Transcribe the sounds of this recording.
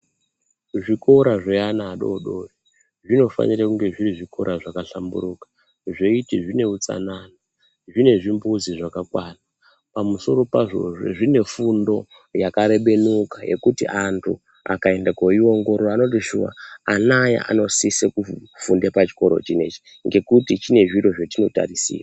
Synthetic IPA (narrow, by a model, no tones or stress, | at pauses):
ʐiko̞ɾaʐeanaːɗo̞̰ɗo̞ri | ʐino̞fa̰ɲiɾakuŋɡe̞ʐiriʐiko̞ɾʔaʐakaɬambṵrukḁ | ʐeitiʐine̞ut͡sa̰nana | ʐine̞ʐimbuziʐakakwana | pamuso̞ɾo̞paʐo̞̰ʐe̞̰ʐine̞fundo̞ | jakaɾe̞ɓe̞nukaje̞̰kutiʔantʰu | a̰kae̞ndakoio̞ŋɡo̞ɾorano̞tiʃuʋa̰anaja̰ʔa̰no̞sisekufundepat͡ʃi̥ko̞ɾo̞̰t͡ʃine̞t͡ʃi̥ | ŋɡe̞kutit͡ʃine̞ʐiɾo̞ʐetino̞ta̰risḭːra